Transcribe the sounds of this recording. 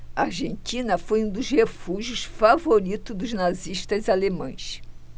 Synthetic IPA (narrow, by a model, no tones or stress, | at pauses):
aɾʒẽnt͡ʃ̪ĩnɐfojũd̪ʊzhefuʒʊsfavoɾit̪ʊd̪ʊznaziʃt̪ɐzalemɐ̰̃j̃s